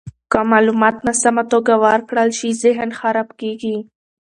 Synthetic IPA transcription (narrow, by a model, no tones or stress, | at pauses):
kamɑlumɑt̪nasamat̪oɡawaɾkɽəlʃizɪɦnxaɾabkeɡi